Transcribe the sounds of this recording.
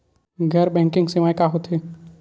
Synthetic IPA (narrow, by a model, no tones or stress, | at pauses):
ɡʱəɾbɛ̃ːŋkɪ̃ŋɡseʋaːjkaɦot̪ʰɦeː